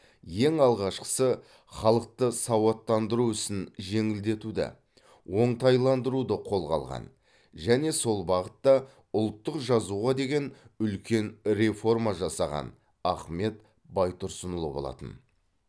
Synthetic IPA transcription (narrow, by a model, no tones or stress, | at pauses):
je̞ŋɑlˠʁɑʃqə̥sə | χɑlˠəq̚t̪əsɑwɑt̪ːɑnd̪əɾuʏsɪnʒe̞ŋɪld̪e̞t̪ud̪ɪ̰ | wo̞ɴt̪ɑjlˠɑnd̪əɾud̪əqʰo̞lˠʁɑ̰lˠʁɑ̰n | ʒæne̞so̞lˠbɑʁət̪ːɑ | ʊlˠt̪ːəqʒɑzuʁɑd̪e̞ɡʲe̞nʏlkʲe̞nɾe̞fo̞rmɑʒɑsɑʁɑ̰n | ɑχme̞t̪ | bɑjt̪ʊɾsənəlˠəbolˠɑ̰t̪ə̰n